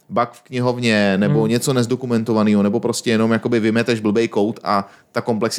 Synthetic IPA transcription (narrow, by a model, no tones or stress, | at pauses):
bakfkɲɪɦo̞vɲɛnɛbo̞ɲɛt͡so̞nɛzdo̞kumɛnt̪o̞vaniːɦo̞nɛbo̞pɾo̞scɛjɛno̞mjako̞bɪvɪmɛt̪ɛʒbl̩bɛjko̞wt̪ʔa | t̪ako̞mplɛks